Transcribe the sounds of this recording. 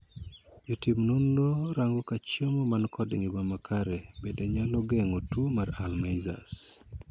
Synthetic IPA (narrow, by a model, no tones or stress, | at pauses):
d͡ʒotimnondoɾaŋɡokat͡ʃomomankʰɔdeŋibamakʰaɾɛbedɛɲalɔɡɛŋotumaɾalmajza̰s